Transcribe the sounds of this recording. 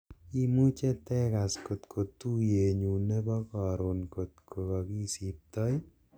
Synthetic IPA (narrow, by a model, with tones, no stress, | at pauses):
i˦mu˦t͡ʃe˦tɛ˦ka˨sko˨t̪kʰo˨t̪u˦je˨ɲu˨ne˦bɔ˦kɔ˨ɾo˨nko˨t̪̚kʰo˨kɔ˨ki˦si˨p̚t̪ɔ˦j